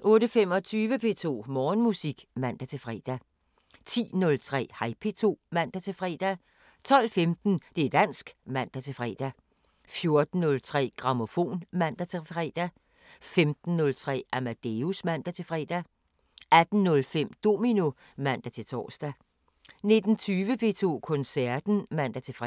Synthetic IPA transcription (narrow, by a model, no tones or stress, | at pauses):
ʔɔ̽ːɾəfem̰ɒ̽t͡sʰyːʋəpʰe̝ːt͡sʰo̝̰ːmɒːnmusiɡ̥mæn̰d̥æt͡sʰe̝lfʁɛ̰ːd̥æ | t͡sʰḭːnɔ̽lt͡sʰʁɛ̰ːhɑ̈ɪpʰe̝ːt͡sʰo̝̰ːmæn̰d̥æt͡sʰe̝lfʁɛ̰ːd̥æ | t͡sʰɒ̽l̰femd̥n̩d̥e̝ɐd̥æn̰sɡ̥mæn̰d̥æt͡sʰe̝lfʁɛ̰ːd̥æ | fjo̝ɐd̥n̩ːɔ̽lt͡sʰʁɛ̰ːɡ̥ʁɑ̈mo̝fo̝̰ːnmæn̰d̥æt͡sʰe̝fʁɛ̰ːd̥æ | femd̥n̩ːɔ̽lt͡sʰʁɛ̰ːæmæd̥e̝usmæn̰d̥æt͡sʰe̝fʁɛ̰ːd̥æ | æd̥n̩ːɔ̽lfem̰d̥o̝mino | mæn̰d̥æt͡sʰe̝lt͡sʰɒ̰ːsd̥æ | ne̝d̥n̩t͡sʰyːʋəpʰe̝ːt͡sʰo̝̰ːkʰɔ̽nsæɐd̥n̩mæn̰d̥æt͡sʰe̝fʁ